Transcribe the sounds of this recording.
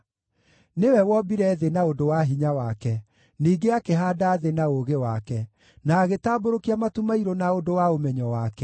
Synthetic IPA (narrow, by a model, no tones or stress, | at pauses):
newɛwɔbiɾɛðenaodowaɦiɲawakɛ | niːɡeakeɦaːdaːðenaoɣewakɛ | naːɣetaːboɾokiamatumaiɾonaodowaomɛɲɔwakɛ